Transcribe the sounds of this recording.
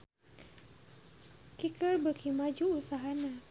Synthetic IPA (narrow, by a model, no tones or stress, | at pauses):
kikərbərkʰimad͡ʒuusaɦana